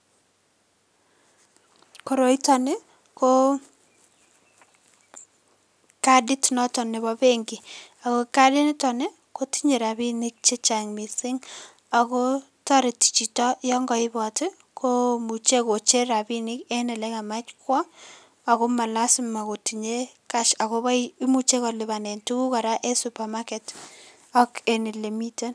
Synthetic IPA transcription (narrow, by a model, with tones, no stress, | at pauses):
ko˨ɾo˨i˦tɔ˨nɛ˦ | ko˦ | kadɪ˦tnɔ˦tɔ˨nɛ˨βɔ˦be˦ŋɡi˨ | a˨ko˦ka˦dɪ˦nɪ˦tɔ˨ne˦ | ko˦ti˦ɲe˨ɾa˨bi˦nɪ˦k̚t͡ʃe˦t͡ʃa˨ŋmi˨sɪ˦ŋ | a˨ko˦ | tɔ˦ɾɪ˨ti̥˨t͡ʃi˨tɔ˦jɔ˦ŋɡɔ˨ɪ˦bɔ˨t | komu˨t͡ʃe˦ko˨t͡ʃe˦ɾa˨bi˦nɪ˦ke˦nɛ˨lɛ˦ka˨ma˦t͡ʃkwɔ˦ | a˨ko˦ma˨la˦sɪ˦ma˨ko˨ti˨ɲe˦ka˦ʃa˨ko˦bɔ˦mu˦t͡ʃe˦kɔ˨lɪ˨ba˨ne˨ntu˦ku˦ka˨ɾa˦ʔe˦supa˨ma˦kɛt | ɔ˦ke˨ni˨le˨mi˦te˦n